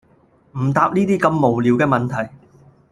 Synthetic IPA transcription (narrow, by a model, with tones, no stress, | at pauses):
m̩˨˩t̪aː˧p̚niː˥t̪iː˥kɐ˧mːo˨˩wliː˨˧wkɛː˧mɐ˨nt̪ʰɐ˨˩j